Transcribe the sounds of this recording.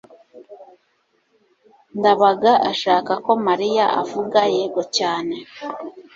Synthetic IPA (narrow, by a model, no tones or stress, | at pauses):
ndaβaɡaʔaʃaːkako̞maɾijaʔa̰vuɡajeɡocaːne̞